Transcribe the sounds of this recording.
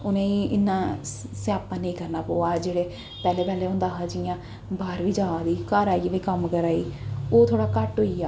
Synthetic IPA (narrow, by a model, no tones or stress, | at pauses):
ʊnẽːĩːʔɪnːãːsɪaːpãːnẽĩːkəɾnaːpoːaːd͡ʒeːɽeː | pɛːleːpɛːleːʊ̃nd̪aːɦaːd͡ʒɪjãː | baːɾʋiːd͡ʒãːãːd̪iːkaːɾaːiʋiːkəmkəɾaːiːoːt̪ʰoːɽaːkəʈɦoːiːaː